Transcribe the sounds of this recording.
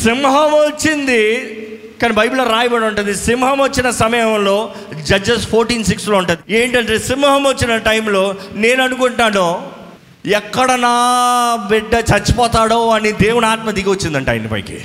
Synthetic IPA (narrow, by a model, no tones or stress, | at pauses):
simɦɐmot͡ʃːind̪i | kaːnibʱɐjbulɐːɾaːjɐbɐɽɐɳʈund̪isimɦɐmot͡ʃːinɐsɐmɐjɐmloː | d͡ʒɐd͡ʒɐspʰoːɾʈiːnsiksloːuɳʈund̪ieːɳʈɐɳʈeːsimɦɐmot͡ʃːinɐʈɐjmlo̞ːne̞ːnɐnukuɳʈːaːnuː | ɛkːɐɽɐnaːbiɖːɐt͡ʃɐt͡ʃːi̥pɔːt̪aːɽoːɐnid̪eːwunaːt̪̚mɐt̪ikiʋot͡ʃːind̪ɐɳʈɐ̰jmnḭpɐ̰ːkḭ